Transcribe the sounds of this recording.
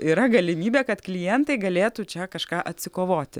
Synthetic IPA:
iːɾɐɡɐlʲɪmʲiːbʲeːkɐt̪klʲɪjɛnt̪ɐɪɡɐlʲeːt̪ut͡ʃʲɛkɐʃkɑːʔɐt̪ʲsʲɪkoːʋoːt̪ʲɪ

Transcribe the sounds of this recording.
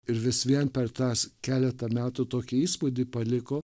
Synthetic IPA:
ɪɾʋʲɪsʋʲiɛnpʲɛɾt̪ɑːskʲæːlʲɛt̪ɐmʲæːt̪ut̪oːkʲɪiːspʊd̪ʲɪːpɐlʲɪkoː

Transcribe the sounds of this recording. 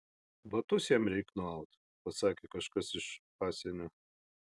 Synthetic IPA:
ʋɐt̪ʊsʲjɛmɾʲɛɪknʊɐʊt̪ | pɐsɑːkʲekɐʃkɐsɪʃpɑːsʲɛnʲoː

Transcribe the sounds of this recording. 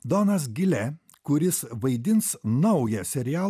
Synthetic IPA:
d̪onɐs̬ɡʲɪlʲɛ | kʊɾʲɪsʋɐɪd̪ʲɪnsnɐʊjɛsʲɛɾʲɪjæːlˠ

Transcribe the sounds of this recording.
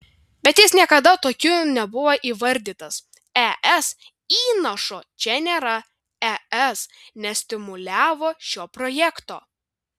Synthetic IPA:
bʲɛt̪jɪsnʲiɛkɐd̪ɐt̪oːkʲʊnʲɛbʊʋoʔiːʋɐɾʲd̪ʲiːt̪ɐs | ɛʔɛs | iːnɐʃoːt͡ʃʲɛnʲeːɾɐ | ɛɛsnʲɛsʲt̪ʲɪmʊlʲæːʋoːʃʲoːpɾojɛkt̪o̰ː

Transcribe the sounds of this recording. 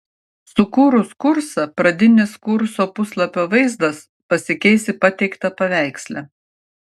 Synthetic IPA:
sʊkuːɾʊskʊɾsɐpɾɐd̪ʲɪnʲɪskʊɾsoːpʊslˠɐpʲoːʋɐɪzd̪ɐs | pɐsʲɪkʲɛɪsʲɪpɐt̪ʲɛɪkt̪ɐpɐʋʲæˑɪksʲlʲæ

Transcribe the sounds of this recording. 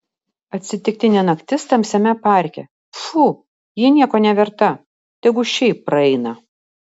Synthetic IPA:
ɐt̪ʲsʲɪt̪ʲɪk̚t̪ʲɪnʲɛnɐkt̪ʲɪst̪ɐmsʲɛmʲɛpɑˑɾʲkʲɛ̰ | fu | jɪnʲiɛkoːnʲɛʋʲɛɾt̪ɐ | t̪ʲɛɪɡʊʃʲɛɪpːɾɐɛɪnɐ

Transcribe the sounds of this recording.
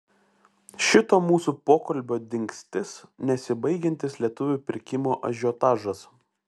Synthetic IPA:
ʃʲɪt̪oːmuːsupoːkɐlʲbʲoːd̪ʲɪŋʲksʲt̪ʲɪsnʲɛsʲɪbɐɪɡʲɛnʲt̪ʲɪslʲiɛt̪ʊʋʲuːˑpʲɪɾʲkʲɪmoːʔɐ̰ʒʲoːt̪ɑːʒɐs

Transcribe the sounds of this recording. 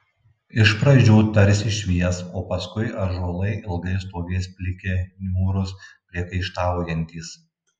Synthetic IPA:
ɪʃpɾɐd͡ʒʲuːt̪ɐɾʲsʲɪʃʲʋʲiɛsoːpɐskʊɪʔɐɾʒuɔlˠɐɪʔɪlˠɡɐɪst̪oːɡʲɛɪspʲlʲɪkʲenʲuːɾʊspʲɾʲiɛkɐɪʃt̪ɑːʋoːjʲɛnʲt̪ʲiːs

